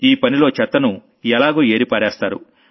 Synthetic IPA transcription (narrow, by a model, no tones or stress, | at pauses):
iːpɐnilo̞ːt͡ʃɛt̪ːɐnu | ɛlaːɡuːe̞ːɾipaːɾɛːst̪aːɾṵ